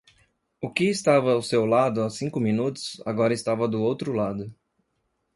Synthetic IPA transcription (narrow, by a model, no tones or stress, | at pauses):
ʊkɪːst̪avɐːwsewlad̪ʊasĩkʊmĩnut̪ʊ̥sa̰ɡɔɾɐɪst̪avɐd̪ʊowt̪ɾʊlad̪ʊ